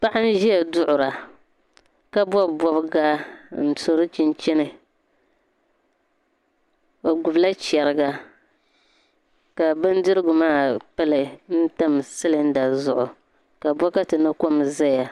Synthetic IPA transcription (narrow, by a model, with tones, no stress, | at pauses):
pa˦ʔa˦n̩˦ʒi˦jɛ˨dʊ˦ʔʊ˨ɾa˨ | ka˦bɔ˦bɔ˦bɡa˦n̩˦to˨ɾɨ˦t͡ʃi˦nt͡ʃɛ˦nɨ˨ | ba˨ɡʊ˨bla˦t͡ʃɛ˨ɾɨ˨ɡa˨ | ka˨bɨ˦n˦dɨ˦ɾɨ˦ɡʊ˨maː˦˨pɨ˦lɨ˨n̩˦ta˦m˨sɨ˦lɨ˦n̩˦da˨zʊ˨ʔʊ˨ | ka˨bɔ˦ka˦tɨ˨nɨ˦ko˦mza˦ja˨